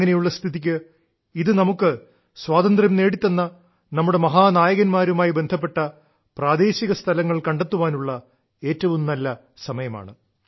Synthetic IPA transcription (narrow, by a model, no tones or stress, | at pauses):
ŋːɐnejuɭːɐst̪ʰiðikʲːɨ | iðɨnɐmukːɨ | swaːd̪ɐnd̪rɐmne̞ːɽit̪ːɐnːɐ | nɐmːuɽe̞mɐɦaːnaːjɐɣɐnmaːɾumaːjibe̞nd̪ʱɐp̬ːeʈːɐ | praːd̪e̞ːɕiɣɐst̪ʰɐlɐŋːɐɭkɐɳɖe̞t̪ːuʋaːnuɭːɐ | e̞ːtːɐʋumnɐlːɐ | sɐmɐjɐma̰ːɳɨ